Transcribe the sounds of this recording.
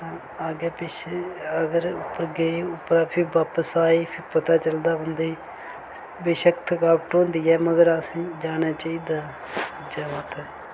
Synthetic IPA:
ãː | aːɡɛːpɪt͡ʃəɡəɾʊpːəɾɡeiːʊpːɾaːpʰɪɾbaːpəsaːiːpʰɪɾpət̪aːt͡ʃəld̪aːɦənd̪eiː | beːʃəkt̪ʰkaːpʈõːnd̪iːɛːməɡəɾəsĩːd͡ʒaːnaːt͡ʃaːiːd̪aː | d͡ʒaːʋaːt̪ɛː

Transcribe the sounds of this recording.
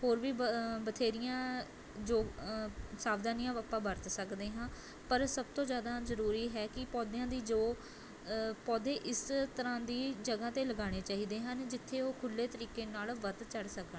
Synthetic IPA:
hoːɾʋiːbət̪ʰeːɾɪjãː | d͡ʒoː | saːbd̪aːnijãːaːpãːbəɾt̪səkd̪eːɦãː | pəɾsəb̚t̪õːzjaːd̪aːzəɾuːɾiːɦɛːkɪpɔːd̪ejãːd̪iːd͡ʒoː | pɔːd̪eːʔɪst̪əɾãːd̪iːd͡ʒəɡaːt̪eːləɡaːɽ̃eːt͡ʃaːɦiːd̪eːɦənd͡ʒɪt̪ʰːeːoːkʰʊlːeːt̪əɾiːkeːnaːlʋət̪t͡ʃəɽsəkə

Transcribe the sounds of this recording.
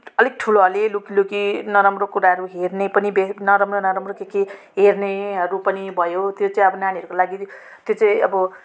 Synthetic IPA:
ʌleɡ̚ʈʰuloɦʌlelukilukinʌɾamrokuɾaɦʌɾuɦernepʌnibenʌɾʌmronʌɾamrokeke | ɦerneɦʌɾupʌnibʱʌjot̪jot͡saĩʌbʌnaniʌɾukolaɡi | t̪jot͡saĩʌbʌ

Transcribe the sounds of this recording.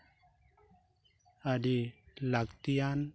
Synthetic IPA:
aɽilakt̪ijan

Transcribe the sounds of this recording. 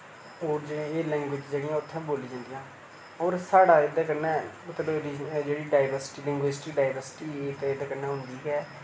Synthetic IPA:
oːɾd͡ʒeːlɛ̃ːŋɡwɪd͡ʒd͡ʒeːɽɪjãːʊt̪ʰːɛ̃ːboːliːd͡ʒãːnd̪ijãː | oːɾsaːɽaːɪd̪ãːkənɛː | t̪loɾid͡ʒeːɽiːɖaːɪʋəɾsʈiːlɛ̃ŋɡweːsʈiːɖaːɪʋəɾsɪ̥ʈiːeːt̪ːɪd̪aːkənːɛ̃ːɦʊnd̪iːɡɛː

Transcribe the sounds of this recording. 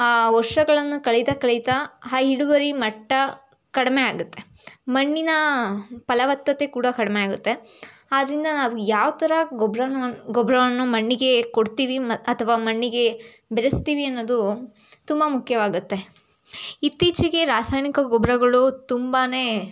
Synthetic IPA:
ʋɔɾʂɐɡɐɭɐnːukɐɭit̪ɐkɐɭit̪ɐɦaːɦiɽuʋɐɾimɐʈːɐ | kɐɽɐme̞aːɡut̪ːemɐɳːinɐpɐlɐʋɐt̪ːɐt̪e̞kuːɽɐkɐɽmeaːɡut̪ːe̞aːd̪ɐɾind̪ɐnaːʋujaːʋt̪ɐɾɐɡɔbɾɐnɡɔbɾɐʋɐnːumɐɳːiɡe̞koɽt̪iːʋiɐt̪ʰɐʋaːmɐɳːiɡe̞ | beɾɐst̪iːʋiɐnːoːd̪ut̪umbɐmukʰjɐʋaːɡut̪ːe̞ | it̪ːiːt͡ʃiɡe̞ɾaːsaːjnikɐɡɔbɾɐɡɐɭut̪umbaːne̞ː

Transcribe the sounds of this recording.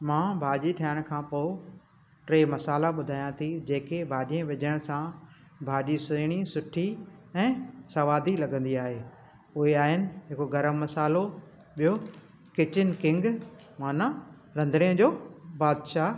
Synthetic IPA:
mãːbʱaːʄiʈʰaːəɽ̃ʊ̆kʰãːpoː | ʈɾeːmɐsaːlaɓʊd̪ʱaːjãt̪ʰid͡ʑeːkebʱaːʄiẽʋɪʄəɽ̃sã | bʱaːʄisʊɽ̃isʊʈʰiɛ̃ːsɐʋaːd̪ʱilɐɡə̃nd̪iaːɦeː | ʊɦeaːɦɪnɪ̆ɦɪkoɡɐɾəmːɐsaːlo | ɓijo | kɪt͡ɕɪnkɪ̃ŋɡ | maːna | ɾɐ̃nd̪ɾijə̃d͡ʑoːbaːd̪ʃaː

